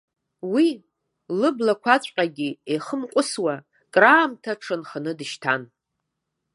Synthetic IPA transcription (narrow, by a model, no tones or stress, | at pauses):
wi | lɨblakʷʰat͡ɕʷʼqʲʼaɡʲieχəmqʷʼʊswa | kʼraːmtʰaʈ͡ʂʰɨnχənɨdɨʃtʰa̰n